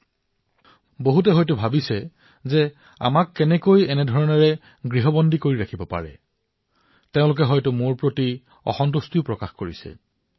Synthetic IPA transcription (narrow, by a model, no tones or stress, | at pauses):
boɦut̬ɛɦɔjtʊbʱabisɛ | zɛ | a̰makːɛnɛkojɛnɛdʱɔɹɔnɔɹɛ | ɡɹiɦɔbɔndʱikoɹiɹakʰibɔpa̰ɹɛ̰ | teʊ̃lʊk̬ɛɦɔjtʊmʊɹpɹoti | ɔ̰xɔnt̬ustipɹɔkaxkoɹḭsɛ̰